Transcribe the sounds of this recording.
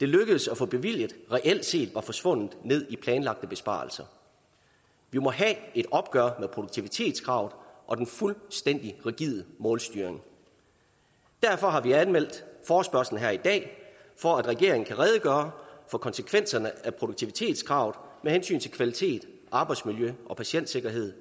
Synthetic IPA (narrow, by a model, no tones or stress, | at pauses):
d̥e̝løɡ̥əð̩ˠsæfɔ̽b̥e̝ʋil̰jəð̥̩ˠʁɛʔel̰d̥se̝̰ːd̥ʋɑ̈fɒ̽sʋɔ̽n̰ð̩ˠne̝ð̰ˠipʰlɛːnlɑ̈ɡ̥̚d̥əb̥e̝sb̥ɑ̰̈ːl̩sɐ | ʋimɒ̽ɦæe̝d̥ɒ̽b̥̚ɡ̥ɶɐmeðˠpʰʁoɾoɡ̥̚t͡sʰiʋit͡sʰe̝̰ːd̥skʰʁɑ̈ʊ̰ðˠʔɒ̽d̥enfulsd̥en̰d̥iʁɛɡ̥iðˠmɔ̽ːlsd̥yːɐe̝ŋ | d̥æɐfɒ̽ɦɑ̈ʋiænmel̰d̥fɒːsb̥ɶɐsln̩ɦæɐ̰id̥ɛ̰ː | fɒ̽æd̥ʁɛɡ̥e̝ɐ̰eŋ̩kʰæʁɛð̞ˠəɡ̥ɶːɐfɒ̽kʰɒ̽nsəkʰʋen̰sɐnəæpʰʁo̝d̥oɡ̥̚t͡sʰiʋit͡sʰe̝̰ːd̥ˠskʰʁɑ̈ʊð̩ˠmehensy̰ːnt͡sʰe̝lkʰʋælit͡sʰe̝̰ːd̥ | ʔɑ̈ːb̥ɑ̈ɪd̥smiljøʔɒ̽pʰæɕen̰d̥se̝ɡ̥ɐɦe̝ð̞̰ˠ